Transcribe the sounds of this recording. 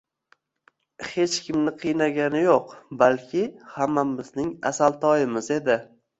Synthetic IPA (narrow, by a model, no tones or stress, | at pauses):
he̞t͡ʃkʲɪmnɪqʰɨjnaɡʲanɪjoqbalkʲʰɪhamːamɪznɪŋa̰salt̪ʰɒjɪmɪze̞d̪ɪ